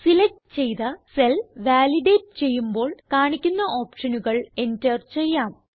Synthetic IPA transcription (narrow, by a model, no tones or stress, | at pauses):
silɐʈ | t͡ɕe̞jt̪ɐselʋaːliɖeːʈ̚t͡ɕe̞jːumbo̞ːɭkaːɳikʲːunːɐʔo̞ːpʂɐnuɣɐɭe̞ntert͡ɕejːaːm